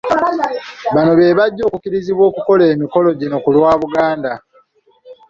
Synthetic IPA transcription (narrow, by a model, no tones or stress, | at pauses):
βano̞βe̞ːβaɟːo̞ːkukiɾiziβwo̞ːkuko̞le̞ːmiko̞lo̞ɟino̞kulwaːβuɡaːnda